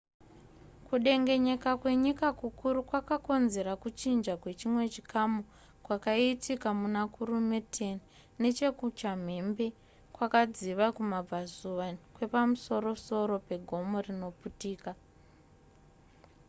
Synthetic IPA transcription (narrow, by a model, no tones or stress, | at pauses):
kuɗe̞ŋɡe̞ɲe̞kakwe̞ɲikakukuɾukwakako̞nze̞ɾakut͡ʃind͡ʒakwe̞t͡ʃimwe̞t͡ʃikamu | kwakaitʰikamunakuɾumetʰe̞n | ne̞t͡ʃe̞kut͡ʃam̤e̞mbe̞ | kwakad͡ziʋakumab͡vazuʋakwe̞pamuso̞ɾo̞so̞ɾo̞pe̞ɡʱo̞mo̞rino̞putiːka